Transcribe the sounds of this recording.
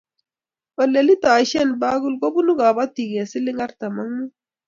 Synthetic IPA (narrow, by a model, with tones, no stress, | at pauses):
ɔ˨lɛ˨li˦ta˨ʃɛ˦˨nba˦ɡu˦lɡo˦bu˦nu˦ɡa˨ba˦t̪i˨ɡɛ˨si˦lɪ˦ŋa˦ɾt̪a˨ma˦ŋmu˦